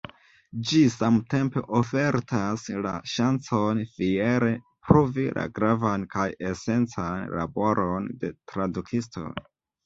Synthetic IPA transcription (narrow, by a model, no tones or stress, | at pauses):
d͡ʒisamte̞mpe̞̰ʔo̞fe̞ɾtʰasla̰ʃant͡sonfieɾe̞ | pɾovilʔa̰ɡɾavankaje̞se̞nt͡sanla̰bo̞ɾʔonde̞tɾadukʰistʰo̰j